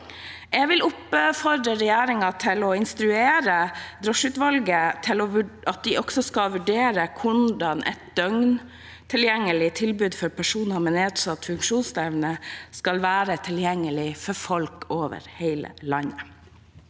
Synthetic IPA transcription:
ɛɡʋɪlʊpfɔɾd̪ɾəɾɛjæːɾɪŋɑt̪ʰɪlɔɪnst̪ɾʉeːɾəd̪ɾɔʂʉːt̪ʋɑlɡət̪ʰɪlɔʋɑt̪̚d̪ɪʔɔksɔskɑʋʉɖeːɾəkʰʊɳɖɑnʔɛ̰t̪̚d̪œŋn | t̪ʰɪljɛŋːəlɪt̪ʰɪlbʉːd̪fɔɾpʰæʂuːnɑmɛneːd̪sɑt̪ːfʉŋkʂuːnst̪ɛʋnəskɑlʋæːɾət̪ʰɪljɛŋːəlɪfɔɾfɔlkoːʋə̰ɾheɪlə̰lɑnə

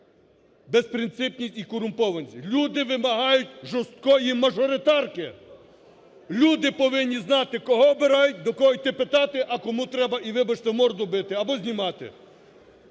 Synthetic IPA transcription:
bespɾɪnt̪sɪpʲnʲisʲtʲikɔɾʊmpɔʋɐnʲsʲilʲud̪ɪʋɪmɐɦɑjʊtʲʒɔst̪̚kɔjimɐʒɔɾɪt̪ɑrkɪ | lʲud̪ɪpɔʋɪnʲːiznɑt̪ɪkɔɦɔɔbɪɾɑjʊt̚ʲd̪ɔkɔɦɔjt̪epɪt̪ɑt̪ɪʔɐkɔmut̪ɾɛbɐʔiʋɪbɐt͡ʃt̪ɛmɔrd̪ɔbɪt̪ɪɐbɔzʲnʲimɑt̪ɪ̰

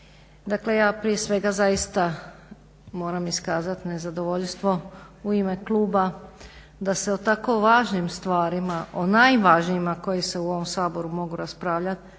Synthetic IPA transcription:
d̪akle̞jaːpɾije̞sʋe̞ɡazajist̪a | mo̞ːɾamiskaːzat̪ne̞zad̪o̞ʋo̞ʎʲst̪ʋo̞uime̞klˠuːba | d̪aseot̪ako̞ʋaːʒnimst̪ʋaːɾimaʔo̞najʋaːʒnijimako̞jise̞uo̞ʋo̞msaːbo̞ɾumo̞ɡuɾaspɾaːʋʎat̪

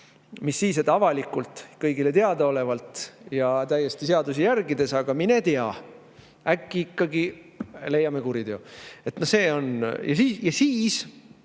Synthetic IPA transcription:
misːiːsed̪ɑvɑlikːˑult̪ːˑkɤjɡile̞t̪eɑd̪ɑo̞le̞vɑlt̪ˑjɑt̪æjːe̞st̪iseɑd̪usijærɡid̪e̞sɑɡ̥ɑmine̞t̪eɑ | ækːiikːɑɡi | le̞jːɑme̞kuɾid̪e̞oe̞t̪no̞hse̞ːo̞njʔɑ̰sijɑsiːs

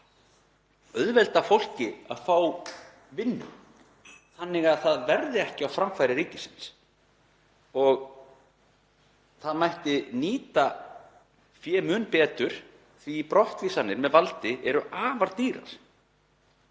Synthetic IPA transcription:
œðvɛlt̪afowl̥cɪaðfaːw | vɪnːʏ̰ | θanːɪɣaðθaðvɛɾðɪɛhcɪawfɾamfajɾɪɾiːcɪsɪ̥ns | ɔɣ | θaðmajht̪ɪniːt̪a | fjɛːmʏːnpɛːt̪ʏɾ̥ | θvipɾɔht̪viːsanːɪɾmɛðvalt̪ɪʔɛɾʏʔaːvaɾt̪iːɾa̰ɾ̥

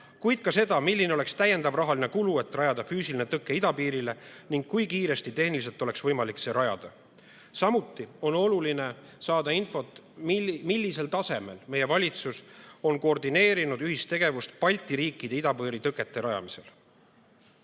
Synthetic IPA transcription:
kujd̪̥̚kɑse̞d̪̥ɑmilʲːineoe̞kst̪æje̞nd̪ɑvrɑɦɑlinekulue̞t̪ːˑrɑjɑd̪̥ɑfyːsilinet̪ɤkːˑe̞id̪ɑpiːɾile̞niŋɡ̥̚kːujkiːɾe̞st̪it̪e̞hniliselt̪ːˑo̞le̞ksvɤjmɑlikseɾɑjɑ̰d̪̥ɑ | sɑmut̪ːio̞no̞luline̞ | sɑːd̪̥ɑinfo̞t̪ːˑ | milʲːise̞lt̪ɑse̞me̞lme̞je̞vɑlʲit̪suso̞nkoord̪ine̞ːɾinud̪yɦist̪ːe̞ɡ̥e̞vust̪̚pɑlʲt̪iɾiːkːˑid̪̥e̞id̪ɑpɤːɾit̪ɤkːˑe̞t̪ˑːe̞ɾɑjɑ̰mise̞̰l

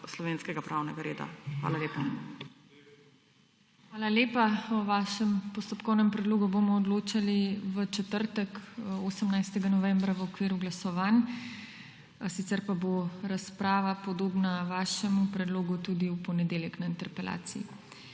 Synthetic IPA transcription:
slɔʋeːnskɛɡapɾʔaːwnɛɡaɾeːd̪a̰xʋa̰ːlaleːpa | xʋaːlaleːpaɔʋaːʃɛmpɔst̪ɔpkɔwnɛmpɾɛd̪loːɡubomɔːd̪loːt͡ʃaliʋət͡ʃɛt̪əɾt̪ɛkoːsəmnajst̪ɛɡanɔʋɛmbɾaʋəɔkʋiːɾuɡlasɔʋaːn | sit̪sɛɾpaboɾaspɾaːʋapɔd̪oːbnaʋaːʃɛmupɾɛd̪loːɡut̪ud̪iupɔnɛd̪eːljɛknaint̪ɛɾpɛlʔa̰ːt̪sii

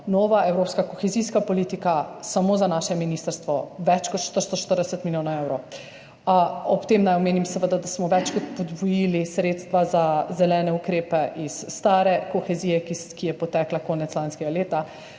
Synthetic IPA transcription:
nɔːʋaɛwɾoːpskakoxɛziskapɔlit̪ikasamoːzanaːʃɛminist̪əɾst̪ʋɔʋɛt͡ʃkɔt̪ʃt̪oʃt̪oʃt̪əɾd̪ɛsət̪miljoːnaewɾow | ɔpt̪eːmnajɔmeːnimsəʋəd̪ad̪asmɔʋɛt͡ʃkɔt̪pɔd̪bɔjilisɾeːt̪st̪ʋazazɛlɛːnɛukɾeːpɛʔisːt̪aːɾɛkɔxɛziːjɛkikijɛpɔt̪ɛklakɔːnɛt̪lanskɛɡaleːt̪a

